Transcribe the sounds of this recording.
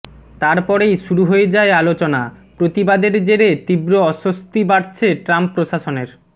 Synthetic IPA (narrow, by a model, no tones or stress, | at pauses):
t̪aɾpɔɾejʃuɾuɦojed͡ʑaealot͡ɕonapɾot̪ibad̪eɾd͡ʑeɾet̪ibɾoɔʃost̪ibaɽt͡ɕʰeʈɾampːɾoʃaʃoneɾ